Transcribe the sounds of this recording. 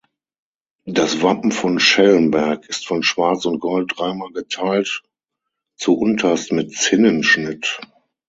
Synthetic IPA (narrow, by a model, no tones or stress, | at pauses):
dasvapm̩fɔnʃɛlənbɛɐkɪstfɔnʃv̥aɐt͡sʊnt̚ɡ̥ɔlt̚d̥ʁaɪmaːlɡətʰaɪlt | t͡suʔʊntʰɐstmɪtt͡sɪnənʃnɪt